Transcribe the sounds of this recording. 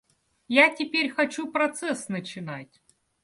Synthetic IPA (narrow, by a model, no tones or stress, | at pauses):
jatʲɪpʲeɾʲxɐt͡ɕupɾɐt̪sɛsnət͡ɕɪnatʲ